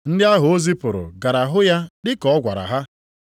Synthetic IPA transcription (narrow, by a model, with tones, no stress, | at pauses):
n̩˦dɪ˦a˦ɦʊ˨o˦zi˦pʊ˨ɾʊ̰˨ɡa˨ɾa˨ɦʊ˦ja˦dɪ˦kɔ˨ɔ˦ɡʷa̰˨ɾa̰˨ɦa˦